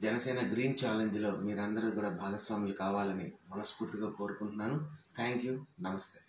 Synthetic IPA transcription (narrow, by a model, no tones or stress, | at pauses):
d͡ʒɛnɐsɛːnɐɡɾiːnt͡ʃaːleɲd͡ʒlo̞ːmiːɾɐnd̪ɐɾuːkuːɽaːbʱaːɡɐsʋaːmjlukaːʋaːlɐnḭmɐnɐspuːɾt̪iɡaːko̞ːɾukuɳʈunːaːnut̪ʰaːŋkjuːnɐmɐst̪eː